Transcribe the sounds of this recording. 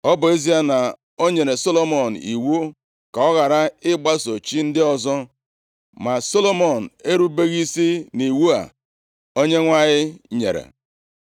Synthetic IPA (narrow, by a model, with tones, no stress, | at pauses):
ɔ˦bʊ˨e˦zi˦a˦na˨ | o˦ɲe˨ɾe˨so˦lo˦mɔ˨n̩˨ḭ˨wu˦ | ka˨ɔ˦ɣa˨ɾa˦ɪ˦ɡ͡ba˦so˨t͡ʃi˦n̩˦dɪ˦ɔ˦zɔ˦ | ma˨so˦lo˦mɔ˨n̩˨e˦ɾu˦be˦ɣi˦si˦ni˨wu˦a̰˨ | o˦ɲe˦ŋʷa˦ɣɪ˦ɲḛ˨ɾḛ˨